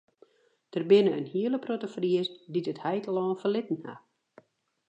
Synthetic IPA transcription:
d̥ərbɪnəənhiələprotəfriəstditəthɛjtlɔːnfərlɪtn̩ha̰

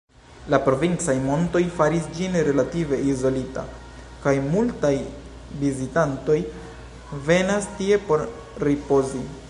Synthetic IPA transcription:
lapɾo̞vint͡sajmo̞nto̞jfaɾisd͡ʒinɾe̞lative̞izo̞lita̰ | kajmultaj | vizitanto̞j | ve̞nastie̞po̞ɾ | ɾipo̞zi

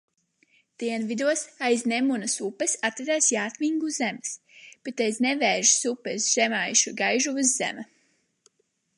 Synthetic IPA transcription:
d̪̥iɛnvid̪uɔsajznemunɨsupːɛsat̪ɾad̪aːsjaːt̪miŋɡuzɛmɨs | b̥et̪ajznɛvɛːʒisupɛsʒ̥ɛmajʃuɡajʒuvɨzzɛ̰ma

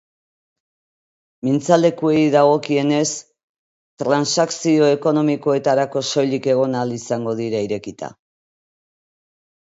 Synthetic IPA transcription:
mint͡sald̪e̞kue̞jðaɣo̞kie̞ne̞s | t̪ɾansaksio̞e̞ko̞no̞miko̞e̞t̪aɾako̞so̞jlike̞ɣ̞o̞nalisaŋɡo̞ðiɾaiɾe̞kit̪a̰

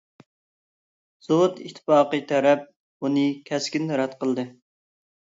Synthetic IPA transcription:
z̥owt̪it̪ʰːɪ̥pɑːqɨt̪ʰæɾɛp̚ | bunɨkʲʰɛskʲinɾɛt̪qəlˠd̪ɨ

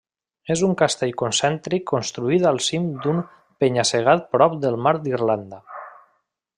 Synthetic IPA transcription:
ezuŋkast̪ɛʎkonsɛnt̪ɾikːonst̪ɾuit̪alˠsimd̪um | peɲaseɣ̞at̪̚pɾɔp̚d̪əlˠmaɾd̪irland̪ə

